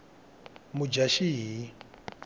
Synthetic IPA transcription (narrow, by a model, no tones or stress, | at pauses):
mud͡ʒaʃiɦi